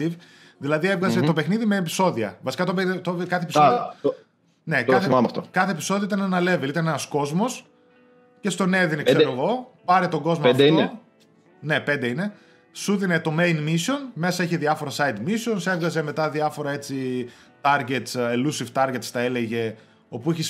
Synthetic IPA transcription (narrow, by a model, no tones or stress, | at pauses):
tiv | ðilɐðievɣɐzet̪o̞pexniðimeːpi̥so̞ðiɐvɐsi̥kɐt̪opt̪okɐθepisoðio | ne̞k̪ɐθemɐmɐ̰ft̪o̰kɐθepisoðioit̪ɐneenɐle̞velit̪ɐnenɐsko̞zmo̞s | ce̞st̪o̞neðinekseoeɣo̞pɐɾet̪oɡo̞zmod̪eie | ne̞pe̞nd̪eine̞ | suðinet̪o̞me̞jnmiso̞nme̞sɐeçeðiɐfo̞ɾɐsɐjd̪miso̞nsevɣɐze̞me̞t̪ɐðiɐfo̞ɾɐe̞t͡si | t̪ɐɾʝe̞t̪selusift̪ɐɾʝet̪st̪ɐe̞leʝe̞ | o̞puiçis